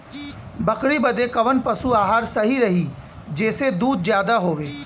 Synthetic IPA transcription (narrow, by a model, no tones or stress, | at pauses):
bɐkɽibɐd̪ekɐʋənpɐsuaːɦaːɾsɐɦiɾɐɦi | d͡ʒɛːsed̪uːd̪̚zjaːd̪aɦoːʋeː